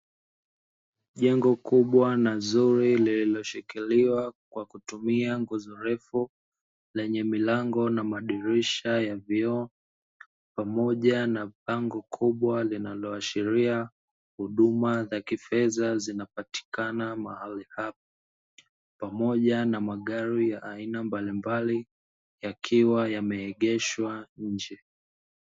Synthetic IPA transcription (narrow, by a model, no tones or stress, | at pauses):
ʄɛŋɡɔkuɓwanazuɾilililɔʃikiliwakwakutumiaŋɡuzɔɾɛfu | lɛɲɛmilaŋɡɔnamaɗiɾiʃajaviɔ | pamɔʄanapaŋɡɔkʰuɓwalinalɔaʃiɾia | huɗumazakifɛzazinapati̥kanamahalihap̚a | pamɔʄanamaɠaɾijaʔainambalimbali | jakʰiwajamɛɛɠɛʃwaɲ̩d͡ʒɛ